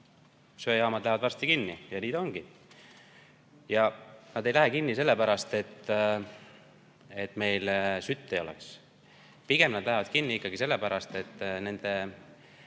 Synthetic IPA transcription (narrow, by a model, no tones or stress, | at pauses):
søjɑːmɑd̪læhevɑd̪vɑrst̪ikinːijɑniːd̪o̞ŋɡ̥i | jɑnɑd̪e̞jlæɦekinːise̞lːe̞pæɾɑst̪e̞t̪ː | et̪ːˑme̞jlsyt̪ːeo̞̰lḛks | piɡ̥e̞mnɑd̪̥læɦevɑd̪̥kinːiikˑːɑɡ̥ise̞lːepæɾɑst̪et̪ːne̞nd̪̥e̞